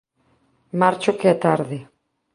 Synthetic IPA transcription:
maɾt͡ʃokeat̪aɾðe

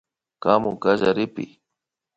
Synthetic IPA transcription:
kamʊkaʒaɾɪpɪ̰

